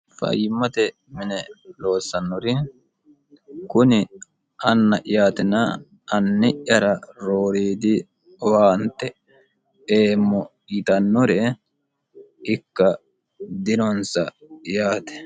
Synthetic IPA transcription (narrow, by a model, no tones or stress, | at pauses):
fɐ̰jːɪmːɐt̪ɛ | mɪnɛlo̞ːsːɐnːɔɾɪ | kʊnɪ | ɐnːɐʔɪjaːt̪ɪnaː | ɐnːɪʔɐɾɐɾoːɾiːd̪ɪ | waːnt̪ɛ | eːmːɔ | it̪ɐnːɔɾɛ | ɪkːɐ | d̪ɪnɔnsɐ | ɪjaːt̪ɛ̥